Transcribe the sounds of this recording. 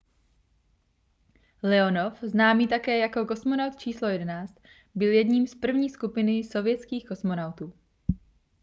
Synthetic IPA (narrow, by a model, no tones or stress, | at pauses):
lɛo̞nofznaːmiːt̪akɛːjako̞ko̞smo̞nawt̪t͡ʃiːslojɛdɛnaːt͡st̪ | bɪljɛdɲiːmspr̩vɲiːskupɪnɪso̞vjɛt͡skiːxko̞smo̞nawt̪uː